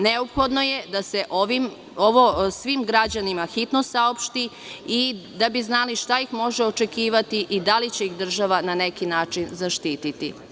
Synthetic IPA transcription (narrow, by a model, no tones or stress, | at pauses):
neopxod̪no̞jed̪ase̞ʔoʋim | oʋosʋimɡɾad͡ʑanimaxit̪nosaopʃt̪i | id̪abiznaliʃt̪ajixmo̞ʒeo̞t͡ʃe̞kiːʋat̪iʔid̪alit͡ɕe̞ixd̪r̩ʒaʋanane̞kinaːt͡ʃinzaʃt̪iːt̪it̪ḭ